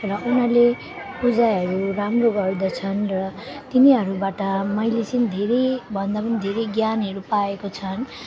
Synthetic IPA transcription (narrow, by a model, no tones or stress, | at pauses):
rʌunale | pud͡zaɦʌɾuramroɡʌrd̪ʌt͡sʰʌnrʌt̪iniɦʌɾubaʈʌmʌjlet͡sʌnid̪ʱeɾejbʱʌnd̪apʌnid̪ʱeɾʌjɡjanɦʌɾupaekot͡sʰʌn